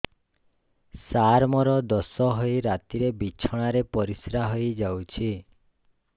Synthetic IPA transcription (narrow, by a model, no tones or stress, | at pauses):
saɾmɔɾɔd̪ɔsɔɦɔjɾat̪iɾebit͡ʃʰɔɽ̃aɾepɔɾisɾaɦɔjd͡ʒawt͡ʃʰi